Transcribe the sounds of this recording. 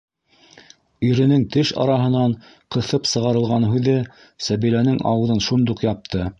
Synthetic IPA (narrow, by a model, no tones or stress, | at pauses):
iɾɘ̆nɘŋt̪ɘʃɑ̰ɾɑɦɤ̆nɑɴ | qɤ̆θɤpsɤ̆ʁɑɾɤ̆lˠʁɑnɦʉðɘ | sæβilænɘŋɑ̰wɤ̆ðɤnʃund̪uqjɑp̚t̪ʰɤ